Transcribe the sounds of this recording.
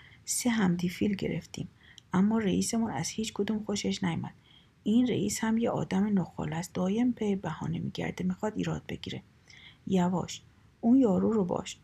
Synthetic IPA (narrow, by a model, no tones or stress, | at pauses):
seɦæmd̪ifiːlɟe̞̰ɾeft̪ḭːmʔæmːɒːɾeʔiːsemunæz̥hiːt͡ʃkʰod̪uːmxoʃeʃnæjumæd̪̥ | iːnrḛʔiːshæmjeʔɒ̰ːd̪æmenoxɒ̰ːlæst̪̚d̪̥ɒːjembʰebæhɒ̰ːnemḭːɟæ̰ɾd̪emixɒːd̪iːɾɒːd̪̚be̞̰ɡiːɾe̞̰ | jævɒ̰ːʃ | ʔuːnjɒːɾuːɾobɒ̰ːʃ